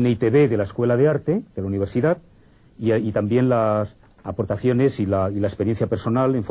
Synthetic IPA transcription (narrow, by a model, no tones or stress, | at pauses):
neit̪eβe̞ðe̞laeskwe̞laðeaɾt̪e̞ðelauniβ̞e̞ɾsiðat̪ | iit̪ambje̞nlas | apo̞ɾt̪aθjo̞ne̞silailaespeɾje̞n̟θjapeɾso̞nale̞ɱf